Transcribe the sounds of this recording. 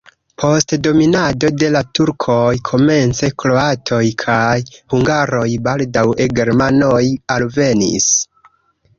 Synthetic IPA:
pʰo̞stdo̞minado̞de̞latuɾkʰo̞jkʰo̞me̞nt͡se̞klo̞atʰo̞jkʰajhuŋɡaɾo̞jbaldaweɡe̞ɾmanojalve̞nḭs

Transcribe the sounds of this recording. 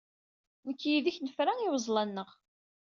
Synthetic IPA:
nəkːjiðiçnəfɾæniwəzˤlɑnːəʁ

